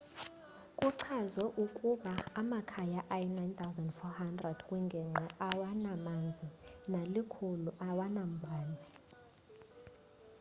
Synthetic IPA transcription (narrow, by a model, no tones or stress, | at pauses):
kʼuǀʰazwɛʔukʼuɓaːmakʰajaʔajɛnajnt̪ʰʼawzandfɔhandrɛd̥kʼwuŋɡʱɛŋ͡ǁʱɛʔawanamand͡zʱinalikʰuluʔawanam̩bʱaːnʱɛ